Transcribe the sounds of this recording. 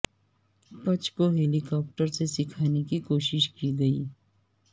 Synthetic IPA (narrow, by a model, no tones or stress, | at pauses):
pɐt͡ʃkoɦeːlɪkɔːp̚ʈəɾsesɪkʰaːnekikoːʃɪʃkiɡɐiː